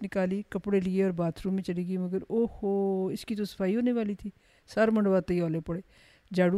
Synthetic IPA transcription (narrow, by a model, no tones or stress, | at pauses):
nɪkaːliːkəpɽeːlɪeːɔːɾbaːt̪ʰɾuːmẽːt͡ʃəɽiːɡiːməɡəɾoːhoːɪskiːt̪õːsə̥pʰaːiːɦoːneːʋaːliːt̪ʰiː | səɾməɳɖʋaːt̪eiːɔːleːpəɽeː | d͡ʒaːɽu